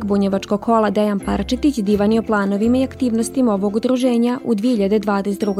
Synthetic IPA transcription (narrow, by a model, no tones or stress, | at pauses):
kbuɲeʋat͡ʃkoɡkʰo̞lˠad̪ejanpaɾt͡ʃit̪it͡ɕd̪iːʋanio̞plˠaːno̞ʋimaiakt̪iːʋnost̪imao̞ʋo̞ɡud̪ɾuʒeːɲaʔud̪ʋiehiʎad̪e̞d̪ʋaːd̪eset̪d̪ɾuɡ